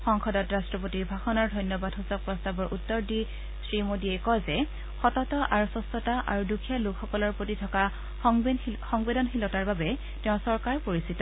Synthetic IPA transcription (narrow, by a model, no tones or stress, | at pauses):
xɔŋkʰɔdɔtɹastɹɔp̬otiɹbʱaxɔnaɹdʱɔjnjɔbadʱɦusɔk̚pɹɔstabɔɹʔutːɔɹdi | sɹimodiɛjkɔzɛ | xɔtɔtɔʔaɹusɔstɔtaʔa̰ɹudukʰjalukxɔkɔlɔɹpɹotitʰɔka | xɔŋbedɔnxilɔtaɹbabɛ | teʊ̃sɔɹkaɹpoɹisitɔ